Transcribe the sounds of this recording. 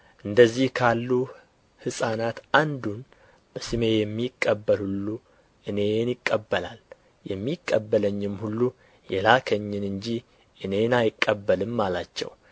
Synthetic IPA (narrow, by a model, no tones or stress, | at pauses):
ʔɨnd̪əzːihkʰalːu | hɨsʼanat̪ʔand̪un | bəsɨme̞jɛmːikʼːəbːəlhulːu | ʔɨne̞njɪkʼːəbːəla̰l | jɛmːikʼːəbːələɲːɪmhulːu | jɛlakʰəɲːɪnɨɲd͡ʒi | ʔɨne̞najkʼːəbːəlɨmːalat͡ʃːɛ̰w